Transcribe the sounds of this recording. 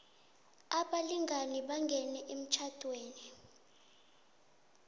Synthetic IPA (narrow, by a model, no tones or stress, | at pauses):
aɓaliŋɡʱaniɓaŋɡʱɛnɛʔem̩t͡ʃʰatʼweːni